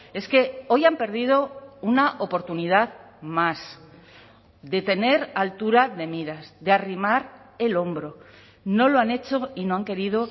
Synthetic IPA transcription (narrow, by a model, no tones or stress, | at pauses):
e̞ske̞o̞jampe̞ɾð̞ið̞o̞unaʔo̞po̞ɾt̪unið̞að | mas | d̪e̞t̪e̞ne̞ɾalt̪uɾaðe̞miɾasðearimaɾ | e̞lo̞mbɾo̞ | no̞loane̞t͡ʃo̞ino̞aŋke̞ɾiðo̞